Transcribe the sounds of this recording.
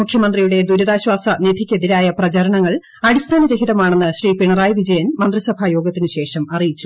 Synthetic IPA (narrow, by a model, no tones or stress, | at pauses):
mukʰjɐmɐnd̪rijuɽe̞d̪uɾɐðaːɕwaːsɐned̪ʰʱikʲːɐðiɾaːjɐprɐt͡ɕɐɾɐɳɐŋːɐɭ | ɐɽist̪ʰaːnɐɾeɦiðɐmaːɳenːɨɕriːpiɳɐraːjʋid͡ʑɐjɐnmɐnd̪risɐbʱaːjo̞ːɡɐt̪ːinɨɕe̞ːʂɐmɐrijit͡ɕːu